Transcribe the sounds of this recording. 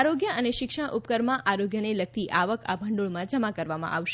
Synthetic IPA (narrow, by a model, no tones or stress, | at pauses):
aɾoɡjəəneʃɪkʃəɽʔupkəɾmãʔʔaɾoɡjənelək̚t̪iʔaʋəkʰa̰bʱə̃ɳɖuɭmãd͡ʒəmakəɾʋamã̰ʔaʋʃ